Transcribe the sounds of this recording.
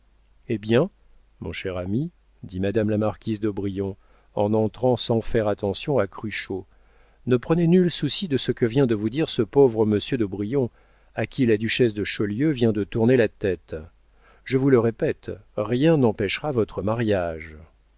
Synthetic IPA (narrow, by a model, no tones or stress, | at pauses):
ebjɛ̃ | mɔ̰̃ʃɛʁami | d̪imad̪amlamaʁkʲizd̪ɔbʁijɔ̃ | ɑ̃nɑ̃t̪χɑ̃sɑ̃fɛʁat̪ɑ̃sjɔ̃akχyʃo | nəpχənenylsusid̪əsəkəvjɛ̃d̪əvud̪iʁsəpovʁəməsjød̪ɔbʁijɔ̃ | akʲʰilad̪yʃɛsd̪əʃɔljøvjɛ̃d̪ət̪uʁnelat̪ɛt̪ | ʒəvuləʁepɛt̪ʁjɛ̃nɑ̃pɛʃʁavɔt̪χəmaʁjaʒ